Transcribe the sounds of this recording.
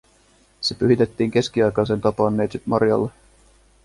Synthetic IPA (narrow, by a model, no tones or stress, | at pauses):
se̞pyɦit̪e̞t̪ːiːŋk̟e̞sk̟iɑjkɑsent̪ɑpɑnːe̞ːt̪sit̪mɑrjɑ̰lːe